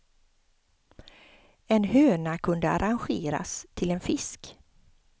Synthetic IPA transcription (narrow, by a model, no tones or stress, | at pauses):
ɛnhøːnakʰɵnd̪əa̰ɾanɧeːɾa̰st̪ʰɪlɛnfɪsk